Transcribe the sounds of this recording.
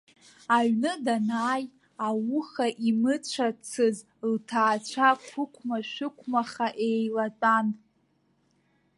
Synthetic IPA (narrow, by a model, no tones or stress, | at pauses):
aɥnɨdanaːj | awʊχaʔimɨt͡ɕʷʰat͡sʰɨz | ltʰaːt͡ɕʷʰakʷʰʊkʷʰmaʃʷɪkʷʰmaχaʔejlat͡sʼan